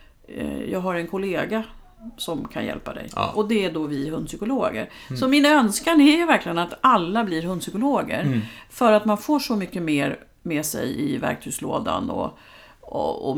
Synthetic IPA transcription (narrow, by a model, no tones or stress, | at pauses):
jɑːɡɦaɾɛnkʰʊleːɡa | sɔmkʰa̰njɛ̰lpad̪ɛ̰jʔɔd̪ɛæɖovɪɦɵnd̪sʏkʊloːɡə̰ɾsɔmɪnaœnskanæɾjɵvæɾkʰlɪɡənat̪alːablɪɾɦɵnd̪sʏkʊloːɡə̰ɾfœɾat̪manfoːʂɔmʏkːəmeːɾ | mɛsɛ̰jɪvæ̰ɾk̚t̪ʰʉ̟ːslo̰ːd̪a̰nɔ̰ | ɔ̰ɔ